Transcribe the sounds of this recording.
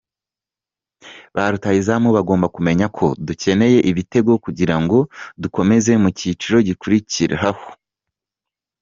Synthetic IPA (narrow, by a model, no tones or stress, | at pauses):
βaɾutajizamuβaɡo̞ːmbakume̞ɲakʰo̞duce̞ne̞je̞ʔiβite̞ɡo̞kuɟiɾaŋɡo̞duko̞me̞ze̞mucit͡ʃiɾo̞ɟikuɾiciɾḛɦaho̥